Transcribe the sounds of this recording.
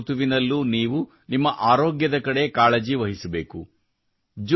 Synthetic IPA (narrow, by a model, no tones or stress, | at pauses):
t̪uʋinɐlːuniːʋu | nimːɐʔaːɾoːɡjɐd̪ɐkɐɽe̞kaːɭɐd͡ʒiʋɐɦisɐbe̞ːku | d͡ʒ